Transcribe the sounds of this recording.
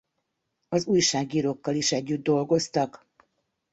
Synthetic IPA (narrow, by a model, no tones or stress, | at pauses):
ɒzuːjʃaːɡiːɾokːɒliʃɛɟːyd̪̚d̪o̞lɡo̞st̪ɒk